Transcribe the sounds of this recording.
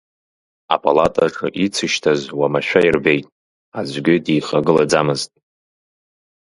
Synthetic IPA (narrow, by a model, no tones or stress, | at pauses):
a̰pʼalatʼaʈ͡ʂʰaʔit͡sʰɨʃtʰazwamaʃᶣairbe̞jtʼ | azʷʼɡʲɪdiːχaɡɨlad͡zamɨztʼ